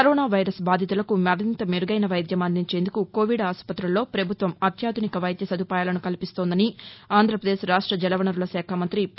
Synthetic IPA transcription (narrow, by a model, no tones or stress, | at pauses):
kɐɾoːnaːʋɐjɾɐsbaːd̪ʱit̪ulɐkumɐɾint̪ɐmiɾuɡɐjnɐʋɐjd̪ʱjɐmɐnd̪iɲt͡ʃe̞ːnd̪ukuko̞ːʋiɖaːspɐt̪ɾɐlːo̞ːpɾɐbʱut̪ʋɐmɐt̪jaːd̪ʱunikɐʋɐjd̪ʱjɐsɐd̪ʱupaːjaːlɐnukɐlipist̪ond̪ɐniaːnd̪ʱɾɐpɾɐd̪eːsɾaːʂʈɾɐd͡ʒɛlɐʋɐnɐɾulɐsɛːkʰaːmɐnt̪ɾi